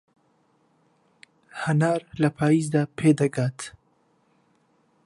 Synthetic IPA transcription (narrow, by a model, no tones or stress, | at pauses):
hɐnaːɾlɐpʰaːizd̪aːpʰeːd̪ɐɡaːt̪